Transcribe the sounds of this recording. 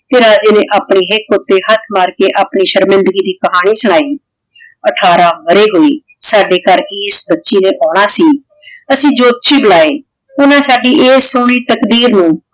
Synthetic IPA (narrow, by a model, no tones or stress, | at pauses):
t̪eːɾaːd͡ʒeːneːʔaːpɳiːɦɪkːʊt̪ːeːɦət̪ʰmaːɾkeːʔaːpɳiːʃəɾmɪ̃nd̪ɡiːd̪iːkəɦaːɽ̃iːsəɽ̃aːiː | əʈʰaːɾaːməɾeːɦoːiː | saːɖeːkəɾiːsbətːʃiːneːʔɔːɽ̃aːsiː | əsĩːd͡ʒoːt̪̚ʃʰiːbəlaːeː | ʊnãːsaːɖiːʔeːsoːɳ̃iːt̪əkd̪iːɾnũː